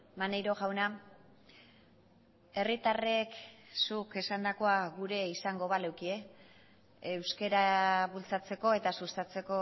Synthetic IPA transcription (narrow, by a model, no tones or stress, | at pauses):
manejɾo̞ɣawna | e̞rit̪areksuke̞sand̪ako̞aɣuɾe̞isaŋɡo̞βalewkie̞ː | wske̞ɾaβult͡sat͡se̞ko̞e̞t̪asust̪at͡se̞ko̞